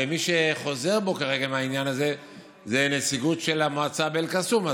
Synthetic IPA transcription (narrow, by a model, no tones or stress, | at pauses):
emiʃe̞χo̞ze̞ʁbo̞kaʁe̞ɡameainjanaze̞ | zenesiɡutʃe̞lamoat͡sabelkasuma